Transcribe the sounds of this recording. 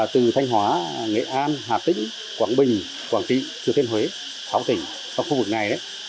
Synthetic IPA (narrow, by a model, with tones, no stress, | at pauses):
t̪ɨ˨˩t̪ʰa˧jŋ̟ɦwaː˨˦ŋḛ˧˨ʔaː˧nɦaː˨˩t̪ï˧˥ŋ̟ | kwaː˧˩nɓï˨˩ŋ̟ | kwaː˧˩nt͡ɕḭ˧˨t͡ɕt̪ʰe˧nhwe˨˦ | sa˨˦wt̪i˧˩ | t͡ɕa˧wŋ͡mxu˧vɨ˨˩k̚na˨˩jɗə˨˦j